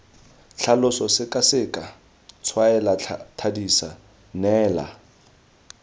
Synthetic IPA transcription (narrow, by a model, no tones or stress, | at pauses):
ɬʰalʊsɔsɪkʼasɪkʼa | t͡sʰwaɛlatʰadisa | nɛːla̰